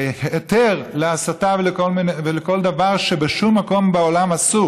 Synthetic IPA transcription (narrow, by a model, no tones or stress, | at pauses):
het̪eʁleasat̪avelekolmineveleko̞ld̪avaʁʃebeʃumːako̞mbeo̞lamasu